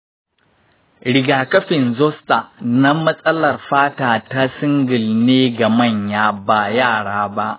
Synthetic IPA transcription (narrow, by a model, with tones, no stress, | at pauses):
ɽɪ˨ɡaː˨kɐ˦ɸɪ˨nzɔ˦sta˨na˦mɐ˦sʼɐ˦lɐ˨rɸaː˦taː˨ta˦sɪ˦ŋɡɪ˨lneː˦ɡa˨mɐ˦˨ɲjaː˦ba˦jaː˦˨ɽaː˦ba˦ʔ